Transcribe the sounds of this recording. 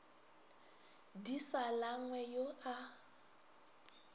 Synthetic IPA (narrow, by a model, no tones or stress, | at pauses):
disalaŋwɛjoʔa